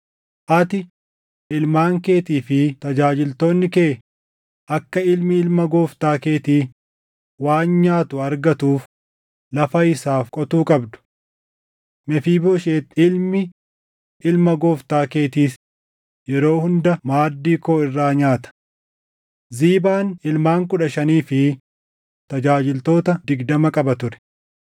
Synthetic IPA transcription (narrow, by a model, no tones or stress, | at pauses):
ʔɐt̪ɪ | ʔɪlmaːŋke̞ːt̪iːfɪt̪ɐd͡ʒaːd͡ʒɪlt̪oːnːɪkeː | ʔɐkːɐɪlmɪɪlmɐɡoːft̪aːke̞ːt̪iː | waːnɲaːt̪ʊɐɾɡɐt̪uːf | lɐfɐɪsaːfkʼɔt̪uːkʼɐbd̪ʊ̥ | mɛfiːboːʃeːt̪ːɪlmɪ | ɪlmɐɡoːft̪aːke̞ːt̪iːs | jɛɾo̞ːhʊnd̪ɐmaːd̪ːiːkoːɪrːaːɲaːt̪ɐ̥ | ziːbaːnɪlmaːŋkʊᶑɐʃɐniːfɪ | t̪ɐd͡ʒaːd͡ʒɪlt̪o̞ːt̪ɐd̪ɪɡd̪ɐmɐkʼɐbɐt̪ʊɾɛ̥